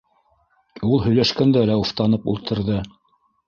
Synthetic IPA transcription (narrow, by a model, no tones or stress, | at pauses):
ulˠɦɵ̆jlæʃkænd̪ælæuft̪ɑnɤpṵlˠt̪ʰɤ̆ɾðɤ